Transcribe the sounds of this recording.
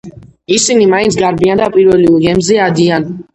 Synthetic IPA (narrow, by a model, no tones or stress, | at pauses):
isinimaint̪sʰɡaɾbiand̪apʼiɾvɛliuɡɛmzɛad̪ian